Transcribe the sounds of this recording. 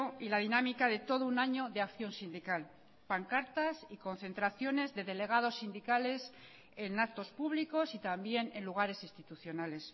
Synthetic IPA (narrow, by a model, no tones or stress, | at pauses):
ilað̞inamikað̞e̞t̪o̞ð̞ounaɲo̞ðe̞akθjo̞nsind̪ikal | paŋkaɾt̪asiko̞nθe̞nt̪ɾaθjo̞ne̞zðe̞ðe̞le̞ɣ̞að̞o̞sːind̪ikale̞s | e̞nakt̪o̞spuβliko̞sit̪ambje̞ne̞nluɣ̞aɾe̞sist̪it̪uθjo̞nale̞s